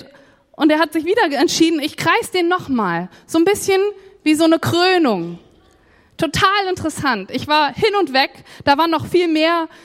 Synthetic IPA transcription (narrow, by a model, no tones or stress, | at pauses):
ʔʊnteːɐhatz̥ɪçv̥iːdɐɛntʃiːdn̩ɪçɡ̥ʁ̥aɪsd̥eːnːɔχmaːl | z̥oːnbɪsçənviːzoːnəkʁ̥øːnʊŋ | tʰːotʰaːlɪntəʁəsantɪçv̥aːɐhɪnʊntv̥ɛkd̥aːvaːɐnɔχfiːlmeːɐ